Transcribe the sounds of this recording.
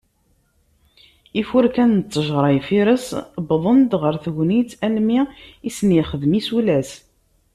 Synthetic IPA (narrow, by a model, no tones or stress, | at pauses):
ifʊɾkænt͡sːəʒʁɾˤɑjfiɾəsbðˤənd̪ʁəɾθʝnit͡sælmiisniχəðmisulæs